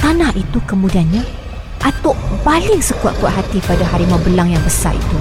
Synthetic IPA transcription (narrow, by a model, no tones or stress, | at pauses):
t̪anãʔit̪ukəmũdianɲa | ʔat̪ɔʔbalɪŋsəkua̰ʔkua̰ʔɦat̪ipadaɦaɾimabəlaŋjaŋbəsa̰ḭt̪u